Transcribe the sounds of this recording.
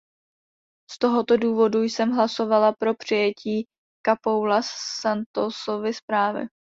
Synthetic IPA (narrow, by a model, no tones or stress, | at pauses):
st̪o̞ɦo̞t̪o̞duːvo̞dujsɛmɦlaso̞valapɾo̞pr̝̥ɪjɛcʰiː | kapowlasːant̪osovɪspɾaːvɪ̰